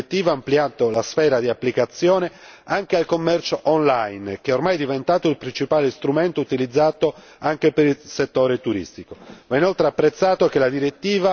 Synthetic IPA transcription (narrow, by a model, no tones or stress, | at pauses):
t̪ːiːvaːmpliaːt̪olasfɛːɾad̪iapːlikat̪sːjɔːneaŋk̟ealkomːɛrt͡ʃoʔonlajnk̟eɛormajd̪ivent̪aːt̪oilpɾint͡ʃipaːlest̪ɾument̪out̪ilid̪zːaːt̪o | aŋkepeɾilset̪ːoːɾet̪uɾḭst̪ikomainolt̪ɾeapːɾet̪sːaːt̪okelad̪iɾet̪ːiːva